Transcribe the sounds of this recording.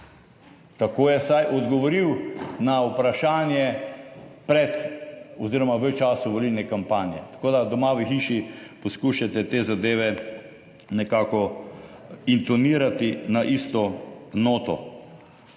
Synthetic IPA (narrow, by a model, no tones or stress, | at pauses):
t̪akoːjɛsajʔɔd̪ɡɔʋɔɾiwnaupɾaʃaːnjɛ | pɾɛt̪ɔziːɾɔmaʋət͡ʃaːsuʋolilnɛkampaːnjɛt̪ḁkoːd̪ad̪ɔmaːʋixiːʃiposkuʃat̪ɛt̪eːzad̪eːʋɛ | nɛkaːkɔ | int̪ɔniːɾat̪inaʔist̪ɔnoːt̪ɔ̰